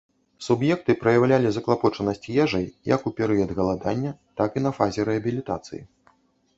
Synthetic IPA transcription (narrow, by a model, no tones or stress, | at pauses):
subjɛk̚t̪ɨpɾɐjawlʲalʲizɐklˠapɔt͡ʂɐnɐsʲt͡sʲjɛʐɐjjɐkupʲɛɾɨjɐd̪ɣɐlˠad̪anʲːɐt̪akinɐfazʲɛɾɛɐbʲilʲit̪a̰t̪sɨ̰jḭ